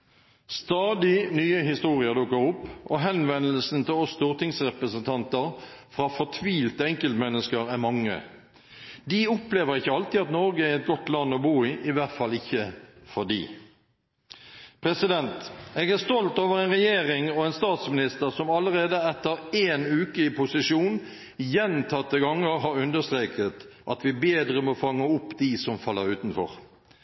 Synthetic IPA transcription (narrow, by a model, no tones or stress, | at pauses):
st̪ɑːd̪ɪnyːəɦɪst̪uːʁɪəd̪ʊkːəʁʊpːʔɔɦɛnʋɛnːəlsn̩t̪ʰɪlɔst̪uːʁt̪ɪŋsʁɛpɾəsənt̪ʰɑnt̪əʁ | fʁɑːfɔt̪ʰʋiːlt̪əɛŋkəlt̪mɛnːəskəʁæmɑŋːə̰ | d̪iʊpleːʋəʁɪçːəɑlt̪ɪɑt̪nɔɾɡəæɾɛt̪̚ɡɔt̪lɑnːɔbuːɪːʔɪʋæʁt̪fɑlɪçːəfɔd̪ḭː | pʰʁɛsɪd̪ɛnt̪eːɡæst̪ɔlt̪oːʋəʁɛɪnʁɛjeːʁɪŋɔɛnst̪ɑːt̪smɪnɪst̪əʁsɔmɑlːəʁeːd̪əɛt̪ːəɾeːnʉːkəɪpʰʊsɪʂuːn | jɛnt̪ʰɑt̪ːəɡɑŋːəʁɦɑɾʉnd̪əst̪ɾeːkʰət̪ | ʔɑt̪ʋɪbeːd̪ɾəmɔfɑŋːəʊpːd̪isɔmfɑlːəɾʉːt̪n̩fɔ̰ʁ